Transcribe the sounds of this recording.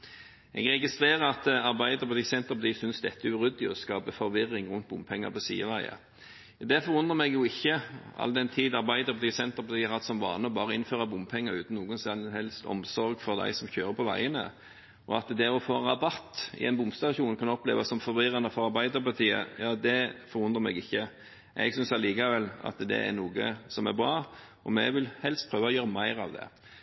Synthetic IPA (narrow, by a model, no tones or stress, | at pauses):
ɛ̰ɡʁɛɡɪst̪ʁeːʁəɑt̪ɑʁbæɪd̪əʁɾpɑt̪iːsɛnt̪əʁpɑt̪iːsʏnsd̪ɛɛt̪ːəʉʁʉd̪ɪɔskɑːbəfɔɾʋɪɾːɪŋʁʉnt̪̚bʊmpʰɛŋːə̰pʰɔsiːəʋæɪə̰ | d̪æfɔɾʊnd̪ʁəmɛɡjʊɪçːəɑ̰ld̪ɛnt̪ʰiːd̪ɑʁbæɪd̪əʁpʰɑt̪ʰiːsɛnt̪əʁpɑt̪ʰiːəɾɑd̪sɔmʋɑ̰ːnəɔbɑːʁəɪnføːʁɑbʊmpʰɛŋːəɾʉːt̪n̩nuːɡʊnsɑnhɛlst̪ɔ̰msɔɾɡfɔʁd̪æ̰ɪsɔmçøːʁəpʰɔʋæ̰ɪənə̰ | ʔɔɑt̪d̪ɛɔfoːnʁɑbɑt̪ːɪ̰ɛɪnbʊmst̪ɑːçuːnkʰɑnɔplḛːʋɑsɔmfɔʋɪʁɑnəfɔɾʁɑɾbæɪd̪əɾpɑt̪ʰiːə̰jɑːd̪ɛfɔɾʁʊnʁəmɛ̰ɡɪçːə | ʔɛ̰ɡsʏnsɑliːkɑʋɛlɑ̰t̪d̪ɛ̰æ̰nuːɡəsɔmæɾbɾɑː | ɔmɛʋɪlhɛlst̪̚pʰɾøːʋɑɔjøːɾəmæɪɾɑ̰ʋd̪ɛ̰